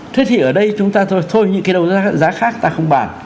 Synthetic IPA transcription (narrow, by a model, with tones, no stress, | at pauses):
t̪ʰe˨˦˥t̪ʰi˨˩ʔəː˧˩ɗə˧jt͡ɕʊ˨˦ŋ͡mt̪aː˧t̪ʰo˧t̪ʰo˧jɲɨ̰˧˥ŋkaː˨˦ɗə˨˩wzaː˨˦zaː˨˦xaː˦˥k̚t̪aː˧xə˧wŋ͡mɓa̰ː˧˩n